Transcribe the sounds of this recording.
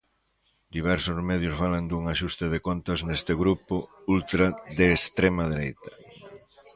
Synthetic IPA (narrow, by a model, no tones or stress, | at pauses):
d̪iβ̞ɛɾsʊzmɛð̞jʊzβalend̪uŋaʃust̪ɪð̞ekont̪ɐznest̪ɪɣɾupʊult̪ɾaðeːst̪ɾemaðeɾejt̪ɐ̥